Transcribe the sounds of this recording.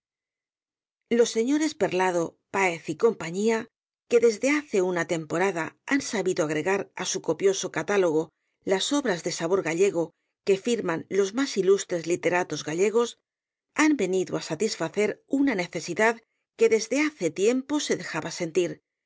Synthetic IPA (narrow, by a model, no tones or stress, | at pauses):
lo̞sːe̞ɲo̞ɾe̞spe̞ɾlað̞o̞paeθiko̞mpaɲia | ke̞ðe̞zðe̞aθe̞unat̪e̞mpo̞ɾaðaansaβiðoaɣ̞ɾe̞ɣaɾa̰suko̞pjo̞so̞kat̪alo̞ɣ̞o̞ | laso̞βɾazðe̞saβo̞ɾɣaʎe̞ɣ̞o̞ | ke̞fiɾmanlo̞zmasilust̪ɾe̞zlit̪e̞ɾat̪o̞zɣaʎe̞ɣ̞o̞s | ambe̞niðoasat̪isfaθe̞ɾunane̞θe̞siðað | ke̞ðe̞zðe̞aθe̞t̪je̞mpo̞se̞ðe̞xaβase̞nt̪iɾ